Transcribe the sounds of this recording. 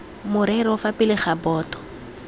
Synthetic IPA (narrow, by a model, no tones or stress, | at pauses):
mʊɾɛɾɔfapɪlɪχabɔːtɔ̥